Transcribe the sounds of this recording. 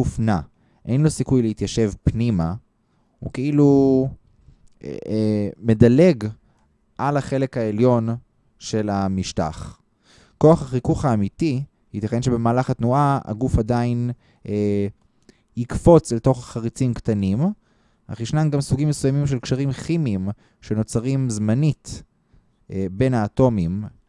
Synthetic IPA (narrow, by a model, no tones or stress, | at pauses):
ufna | ʔe̞jnlo̞sikujleit̪jaʃe̞vpnima | hṵkeilu | me̞dale̞ɡ | ʔalaχe̞le̞khae̞ljo̞n | ʃe̞lamiʃta̰χ | ko̞aχaχikuχhaːmit̪i | hit̪aχe̞nʃebe̞maːlaχatnuʔaa̰ɡufadain | hikfo̞t͡selto̞χaχaʁit͡simktanim | ha̰χiʃnamɡamsuɡimːesujamimʃ̬elkʃaʁimχimim | ʃe̞no̞t͡saʁimzmanit | be̞naːto̞mim